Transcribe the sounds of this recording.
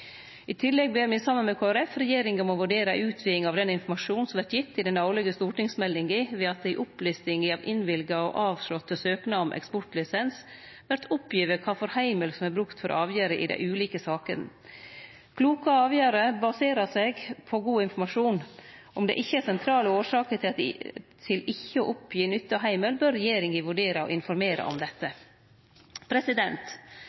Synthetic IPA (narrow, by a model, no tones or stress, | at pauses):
ɪt̪ʰɪlːɛɡ̚beːɾmɪsɑmːənmɛkʰoːæɾɛfɾɛjeːɾɪŋəmɔʋʉɖeːɾɑʔʉːt̪ʰʋiːɪŋɑʋd̪ɛnɪnfɔmɑʂuːnsɔmʋæʈjɪt̪ːɪd̪ɛnɑʊlɪɡəst̪uːʈɪŋsmɛlːɪŋɡɪʋɛːɑt̪̚d̪æɪʔʊplɪst̪ɪŋəɑʋʔɪnʋɪlɡɑɔ̰ʔɑːʋʂɭɔt̪ːəsøːknɑmʔɛ̰kspɔʈlɪsɛns | ʋæɾʈ̪ʰʊpʰːjiːʋəkʰɑːfɔɾhæɪməlsɔmæɾbɾʉkt̪fɔɾʔɑːʋjæːɾəʔɪ̰d̪æ̰ɪʉːliːkəsɑːkən | kʰluːkəɑːʋjæːɾəbɑseːɾɑsɛɡpʰɔɡuːɪnfɔmɑʂuːnʔɔmd̪ɛ̰ʔɪçːəæsɛnt̪ʰɾɑːləoːʂɑːkət̪ʰɪt̪ʰɪlɪçːəoːʔʊpʰjiːnʏt̪ːɑɦæɪməlbøːɾːɛjeːɾɪŋɪʋʉɖeːɾɑɔ̰ʔɪnfɔɾmeːɾɑ̰ʔɔ̰md̪ɛt̪ːə | pʰɾɛsɪd̪ɛnt̪